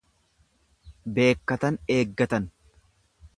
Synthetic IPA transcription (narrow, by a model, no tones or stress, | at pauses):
be̞ːkːɐt̪ɐneːɡːɐt̪ɐn